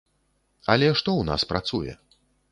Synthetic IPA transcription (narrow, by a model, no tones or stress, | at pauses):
ɐlʲɛʂt̪ɔwna̰spɾat̪sujɛ̰